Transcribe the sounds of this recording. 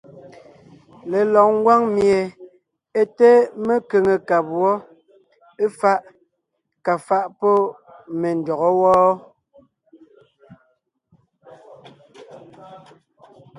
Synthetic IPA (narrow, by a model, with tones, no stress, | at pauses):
le˨lɔ˨k̚ŋ˦ɡwa˦ŋmje˨ | e˦te˦me˦ke˨ŋe˨ka˨bwɔ˦ | e˦fa˦ʔ | ka˨fa˦ʔpɔ˦ | me˨n˨dɔ˨ɣɔ˦wɔː˦